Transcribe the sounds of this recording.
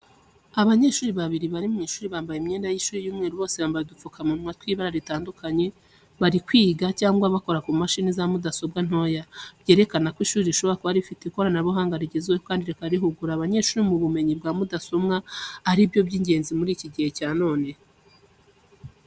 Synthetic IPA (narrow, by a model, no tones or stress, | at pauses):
aβaɲe̞ːʃuːɾiβaβiɾiβaɾimŋiːʃuːɾiβaːmbajemɲeːndajiʃuːɾijuːmŋe̞ːɾuβo̞ːseβaːmbajedufukʰamunmwatwiːβaɾaɾitaːndukaɲe̞ | βaɾikwiːɡacaːŋɡwaβako̞ɾakumaʃinizamudaso̞bɡan̥ho̞jabje̞ːɾe̞kanakwiʃuːɾiziʃo̞βoakoβaɾifiteiko̞ɾanaβoɦaːŋɡaɾiɟezeweokaːndiɾekaaɾiɦuɡuɾaːβaɲe̞ʃuːɾimuβume̞ɲib̚ɡaːmudaso̞mŋaːɾibjo̞bjiːɲɟe̞ːnzimuɾiːciɟihe̞caːno̞ːne̞